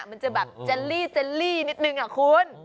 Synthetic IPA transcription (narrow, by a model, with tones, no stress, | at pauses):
ʔma˧nt͡ɕa˧˩bɛː˨˩p̚t͡ɕa˧liː˥˩se˧liː˥˩ni˦˥t̪̚nɯ˧˩ŋʔa˨˩kʰu˧n